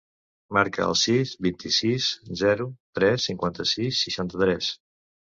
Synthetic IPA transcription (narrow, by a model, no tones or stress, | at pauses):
maɾkə̰ə̰lˠsizbint̪isiszɛɾut̪ɾɛsːiŋkwant̪əsisːiʃant̪ət̪ɾɛs